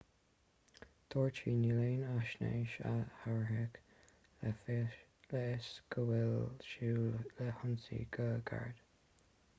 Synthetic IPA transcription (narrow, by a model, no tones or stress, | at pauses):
t̪ʰɔːɹt͡ʃinileːnaʃnḛːʃahaɹɦɪk | lɛɛsɡ̥əwɪlʃuːləhʊnsḭɡəɡa̰ɹd̪̥